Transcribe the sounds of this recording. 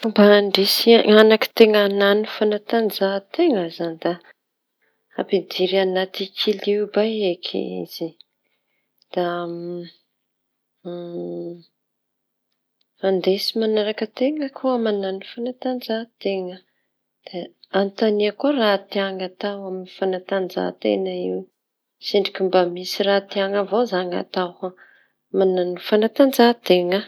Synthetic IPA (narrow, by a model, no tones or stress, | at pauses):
baɳɖ͡ʐesiaanaki̥t̪eŋananifanat̪anzat̪eŋəzanid̪a | apid̪iɾianat̪ikʰilibajekʰḭḭz̥i | d̪̥a | fand̪esimanaɾakət̪eŋəkʰuamananufanat̪and͡zat̪eŋə | d̪̥eant̪aniakorat̪iaŋat̪awaminifanat̪and͡za̰t̪ḛnaiw | seɳɖ͡ʐikʲimbamisirat̪iaŋəvozaŋa̰t̪awa | mananufanat̪and͡zat̪eŋə